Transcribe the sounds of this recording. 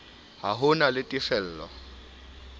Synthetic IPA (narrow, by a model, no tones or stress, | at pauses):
ɦaɦʊnalɪtʼifɛl̩ːlɔ̰